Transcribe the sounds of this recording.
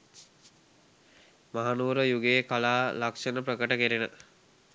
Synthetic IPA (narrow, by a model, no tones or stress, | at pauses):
maɦanuːɾəjuɡeːkalaːlakʂenəpɾəkəʈəkeɾenə